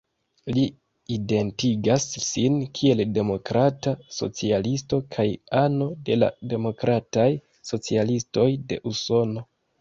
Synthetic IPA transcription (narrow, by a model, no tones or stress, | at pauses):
li | ide̞ntiɡasːinkʰie̞lde̞mo̞kɾataso̞̰t͡sialisto̞kʰajano̞de̞la̰de̞mo̞kɾataj | so̞t͡sialisto̞jde̞̰ʔuso̞no̞